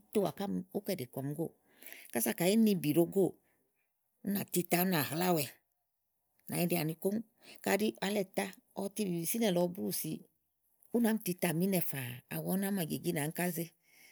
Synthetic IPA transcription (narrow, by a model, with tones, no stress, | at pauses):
to˧˦wa˨ka˦m˧u˦kɛ˦˧˨de˨kɔ˨m˧ɡo̰˦˨ | ka˦sa˧˨ka˨i˦ni˧bi˨ɾo˧ɡo˦˨ | u˦na˨ti˧ta˧˦u˦na˨hla˦˨wɛ˨ | na̰˨ɲi˦˧di˧a˨ni˧ko˦ŋ˦ | ka˧di˦a˧lɛ˧˨ta˦ɔ˧ti˧bi˨i˧si˦nɛ˨lɔ˨˧bu˦˨si˧ | u˦na˨˦m̩˦ti˧ta˨mi˦nɛ˧fa˨a̰˨wɔ˨˦na˨˦ma˨ɡe˨ɡi˦na˨˦ŋ̩˦ka˦ze˧